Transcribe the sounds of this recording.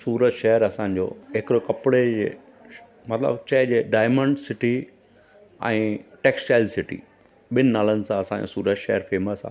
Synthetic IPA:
suːɾətʃɐɦəɾɐsãːɲ̆d͡ʑo̰ːɦekɪɾokɐpɪɽed͡ʑeː | mɐt̪lə̰bt͡ɕɐɦɪd͡ʑeːɖaːɪmə̃ɳɖsɪʈi | ɛ̰̃ːʈeːkst͡ɕaːɪlsɪʈḭ | ɓɪnɪnaːlənɪ̆sãɐsãɲd͡ʑo̰suːɾət̪ʃɐɦəɾfeːməsã̰

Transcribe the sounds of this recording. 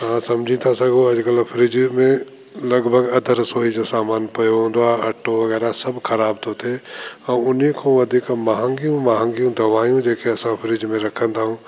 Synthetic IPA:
ɦãːsɐmd͡ʒʱĩt̪ʰasɐɡoɐd͡ʒkəlpʰɪɾɪd͡ʒmẽ | lɐɡbʱəɡɐd̪ʱəɾsoːid͡ʒosaːmaːnpɐjoɦõːnd̪aɐʈːoʋɐɣɛːɾasɐbkʰɐɾaːbt̪oːt̪eɐʊnikʰõʋɐd̪ʱikmaɦə̃ŋɡijũmaɦə̃ŋɡijũd̪ɐʋaːijũd͡ʒeːkeɐsãpʰɪɾɪd͡ʒmẽɾɐkʰə̃nd̪aɦũː

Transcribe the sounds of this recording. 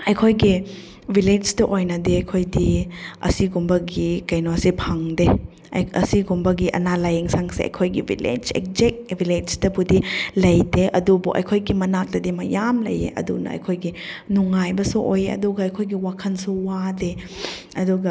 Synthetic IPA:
ɐjkʰojɡi | viled͡ʒtɐʔojnɐdeɐjkʰojdiɐ̰siɡumbɐɡikɐjnoɐsipʰaŋde | ɐ̰siɡumbɐɡiʔɐ̰nalajeŋsaŋseɐ̰jkʰojɡivḭlḛd͡ʒḛk̚zek̚viled͡ʒtɐbudilɐjdeʔɐdubuʔɐ̰jkʰojɡimɐnak̚dɐdimɐjamlɐ̰jḛʔɐ̰dunɐ̰ɐ̰jkʰojɡinuŋajbɐsuʔojeɐ̰duɡɐɐjkʰojɡiwakʰɐnsuwade | ɐduɡɐ

